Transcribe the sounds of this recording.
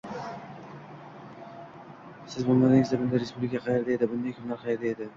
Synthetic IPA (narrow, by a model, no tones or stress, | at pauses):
sɪzbʊŋlˠaɾɪŋʲɪzd̪abɪnd̪aɾespublʲɪkʰʲaqʰɑjeɾd̪aed̪ɪbʊnd̪ajkʰʊnlaɾqʰɑjeɾd̪aed̪ɪ